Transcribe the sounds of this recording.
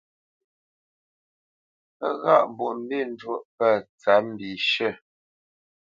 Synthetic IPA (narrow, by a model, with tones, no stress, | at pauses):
ə˦ɣa̰˦˨ʔbu˨ʔm̩˦bi˦˨n̩˦d͡ʒwo˦ʔpə˦˨t͡sa˨˦m̩˦bi˨ʃə˦˨